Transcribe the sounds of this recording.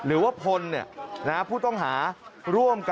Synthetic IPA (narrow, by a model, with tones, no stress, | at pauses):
ɾɯː˩˦waː˥˩pʰo˧nːi˥˩əna˦˥pʰuː˥˩t̪ɔ˥˩ŋɦaː˩˦ɾu˥˩əmk